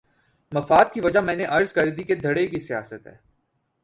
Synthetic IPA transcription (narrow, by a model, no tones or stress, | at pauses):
mɐfaːd̪̚kiʋɐd͡ʒamɛ̃ːneʔɐɾzkɐɾd̪iked̪ʱɐɽekisija̰ːsət̪ɦɛ̰ː